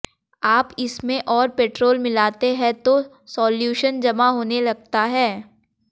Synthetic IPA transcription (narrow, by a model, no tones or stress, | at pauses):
aːpɪsmẽʔɔːɾpeːʈɾoːlmɪlaːt̪eɦɛ̃t̪o | sɔːljuːʃənd͡ʒɐmaɦoːnelɐɡ̚t̪aɦɛː